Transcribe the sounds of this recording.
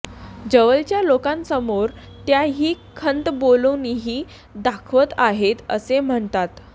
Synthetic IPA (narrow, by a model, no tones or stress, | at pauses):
d͡ʑəʋəlt͡ɕjalokãnsəmoɾ | t̪jaɦiːkʰənt̪boluniɦiː | d̪akʰʋət̪aɦet̪ə̰sem̤əɳt̪at̪